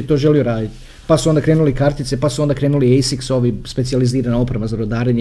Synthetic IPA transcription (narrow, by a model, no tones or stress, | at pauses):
t̪oːʒe̞lijoɾaːd̪it̪ | pasuond̪akɾe̞ːnulikaɾt̪it̪sepasuo̞nd̪akɾeːnuliejsikso̞ʋispe̞t̪sijaliziːɾanao̞pɾeʋazaɾod̪aːɾeɲ